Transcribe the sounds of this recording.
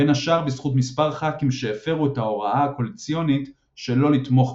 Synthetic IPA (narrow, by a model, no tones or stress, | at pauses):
enaʃaʁbisχutmispaʁχakimʃeːfe̞ʁuetao̞ʁaaako̞let͡sijo̞nit | ʃe̞lo̞lit̪mo̞χ